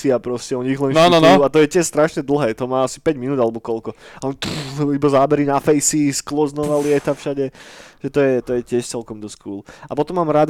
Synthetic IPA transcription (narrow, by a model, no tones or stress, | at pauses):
iapɾɔscɛɔɲiɣlɛnanuat̪ɔjɛcɪɛʃst̪ɾaʃɲɛd̪l̩ˠɦɛːt̪ɔmaːasi̥pɛɟminuːd̪alɛbɔkɔlkɔaɛpulibazaːbɛɾinafɛjsisklɔznɔʋalɪɛt̪afʃaɟɛʒ̥ɛt̪ɔjɛt̪ɔjɛcɪɛʃt͡sɛlkɔmd̪ɔskuːlapɔt̪ɔmːaːmɾad̪